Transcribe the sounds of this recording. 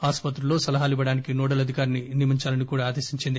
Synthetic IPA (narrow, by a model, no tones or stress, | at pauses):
aːspɐt̪ɾulo̞ːsɐlɐɦaːliʋɐɽaːnikinɔːɽɐlɐd̪ʱikaːɾininimɐɲt͡ʃaːlɐnikuːɽaːd̪eːʃiɲt͡ʃind̪i